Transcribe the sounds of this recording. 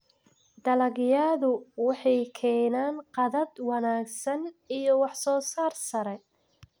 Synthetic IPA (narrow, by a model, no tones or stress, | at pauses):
d̪ɐlɐɡjaːðʊwɑħɑjkʰɛːnaːnqɑðɐd̪wɑnaːɡsɐnijɔwɑħsɔːsaːrsɐɾɛj